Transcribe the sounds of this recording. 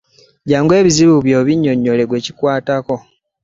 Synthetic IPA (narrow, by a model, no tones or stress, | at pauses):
ɟaːŋɡwe̞ːβiziβuβjo̞ːβiɲːo̞ɲːo̞le̞ɡwe̞ːci̥kwaːtako̞